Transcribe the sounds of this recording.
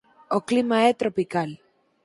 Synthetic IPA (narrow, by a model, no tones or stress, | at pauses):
oklimaet̪ɾopikal